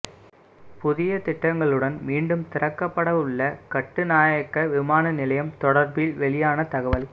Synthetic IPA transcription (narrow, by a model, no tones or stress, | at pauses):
pʊðɪjɐt̪ɪʈːɐŋɡɐɭɯɽɐnmiːɳɖɯmt̪ɪɾɐkːɐpːɐɽɐʋɯɭːɐkɐʈːɯnaːjɐkːɐʋɪmaːnɐnɪlɐjɐmt̪ɔɽɐɾbɪlʋɛɭɪjaːnɐt̪ɐɣɐʋɐl